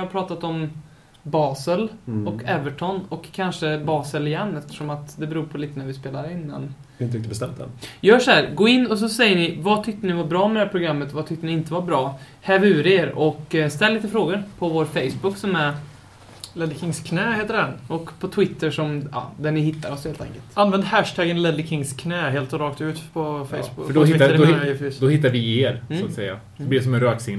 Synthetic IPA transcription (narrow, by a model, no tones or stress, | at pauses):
haɾpʰɾɑːt̪at̪ɔm | bɑːsəlɔkʰɛvəʈʰɔnːɔkʰːanʂəbɑːsəlɪjɛnːɛft̪ə̥ʂɔmat̪d̪ɛbɛɾuːɾpʰɔliːt̪ənæɾvɪspeːlaɾɪnːa̰n | ɪnɾɪkt̪əbɛst̪ɛ̰md̪ɛ̰njœːʂɔhæːɾɡoːɪnːɔs̬ɔsɛjːəɳɪvat̪ʰʏk̚t̪ənɪvaɾbɾɑːmɛd̪hæːɾpʰɾʊɡɾamːət̪vat̪ʰʏkt̪ənɪɪnt̪əvaɾbɾɑː | hɛːvʉ̟ːɾeːɾɔkːst̪ɛlːiːt̪əfɾoːɡəɾpʰɔvoːɾfeɪsbʊkːsɔmæɾ | lɛd̪ɪkʰɪŋskʰnɛːheːt̪ːəɖɛnɔkpʰɔt̪ʰwɪt̪ːəʂɔmɑ̰ːd̪æɳɪhɪt̪ːaɾɔsheːlt̪ʰɛ̰ŋkəlt̪anvɛnd̪hæʂt̪ʰæːɡənlɛd̪ɪkʰɪŋskʰnɛːɦeːlt̪ɔɾɑːkt̪ʉ̟ːt̪pʰɔfɛjsbʊɖɔːadfd̪ɔhɪt̪ːaɾvɪeːɾat̪sɛ̰jːa̰ | b̪lɪs̬ɔmɛnɾœːksɪn